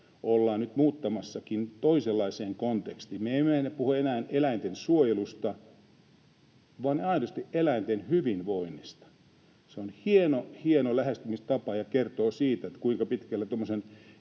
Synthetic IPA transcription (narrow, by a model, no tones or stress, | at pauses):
olːɑːnnyt̪muːt̪ːɑmɑsːɑkint̪oiselːɑiseːŋkont̪ekst̪iːmmeemenepuhuenæːnelæint̪ensuojelust̪ɑ | ʋɑneɑinost̪iʔelæint̪enhyʋinʋoinːist̪ɑ̥ | seonhienohienolæhest̪ymist̪ɑpɑjɑkert̪oːsiːt̪æet̪kuiŋkɑpit̪kælːæt̪omːosen